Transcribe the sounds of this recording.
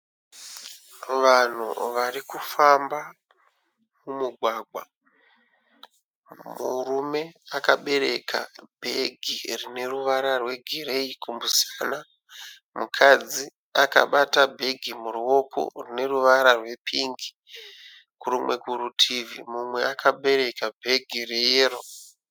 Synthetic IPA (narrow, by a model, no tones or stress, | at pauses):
ʋan̤ṵʋarikufamba | mumuɡʱwaːɡʱwa | murume̞akaɓe̞ɾe̞̰kʰa̰bʱe̞ɡʱirine̞ruʋaɾarwe̞ɡʱiɾe̞ikumbusana | mukʰad͡zi | aka̰ɓatabʱe̞ɡʱimuɾuo̞kʰo̰rine̞ruʋaɾarwe̞pʰiŋɡi̥ | kuɾumwe̞̰kurutʰivḭmumwe̞akaɓe̞ɾe̞kabʱe̞ɡʱirejeːro